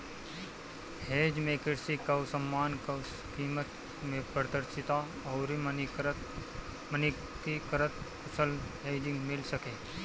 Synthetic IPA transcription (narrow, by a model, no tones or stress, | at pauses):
heːd͡ʒmẽkɪɾsikɐʊsəmːaːnk | kiːmət̪ | mẽpɾd̪əɾʃɪt̪a | ɔːɾi | məni | kikəɾət̪ | ʊsəlɦeːd͡ʒɪ̃ŋɡmɪlsəkeː